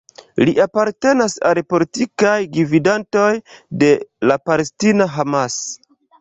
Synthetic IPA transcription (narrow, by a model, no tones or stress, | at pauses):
liʔapaɾte̞nasalepo̞litikajɡividanto̞jde̞lapalestinaɦamas